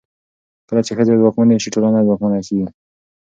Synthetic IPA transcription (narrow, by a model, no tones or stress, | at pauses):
kəlat͡ʃexəzezwɑkmaneʃiʈolanazwɑkmanakii